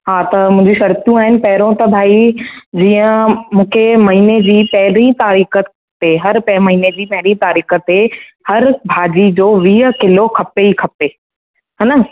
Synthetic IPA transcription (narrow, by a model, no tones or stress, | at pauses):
ɦaːt̪ɐmũɦɪ̃ɲd͡ʑiʃɐɾt̪jũaːɦɪnɪ̆pɐɦɪɾõt̪ɐbʱaːid͡ʑiːə̃mũːkʰemɐɦiːned͡ʑiːpɐɦɪɾĩt̪aːɾiːkəkʰɐpeɦɐɾpɛ̃mɐɦiːned͡ʑiːpɐɦɪɾĩt̪aːɾiːkə̆t̪ehɐɾbʱaːd͡ʑid͡ʑoːʋiːɦə̆kɪlokʰɐpeikʰɐpe | ɦɛːnə